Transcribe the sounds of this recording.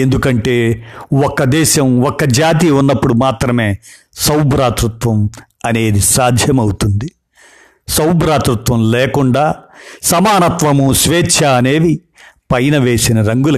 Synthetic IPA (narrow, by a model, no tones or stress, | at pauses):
end̪ukɐɳʈe̞ːɔkːɐd̪ɛːʃɐmɔkːɐd͡ʒaːt̪̬iunːɐpːuɽumaːt̪ɾɐme̞ː | sɐwbɾaːt̪ɾut̪ʋɐm | ɐne̞ːd̪isaːd̪ʱjɐmɐwut̪und̪i | sɐwbɾaːt̪ɾut̪ʋɐmlɛːkuɳɖaːsɐmaːnɐt̪ʋɐmusʋeːt͡ʃʰːaneːʋi | pɐjnɐʋe̞ːsinɐɾɐŋɡulɐ